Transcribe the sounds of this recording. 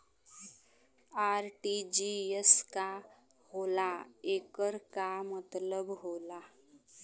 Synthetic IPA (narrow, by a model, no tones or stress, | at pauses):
aːɾʈid͡ʒieska | holaekəɾkamət̪ləbɦola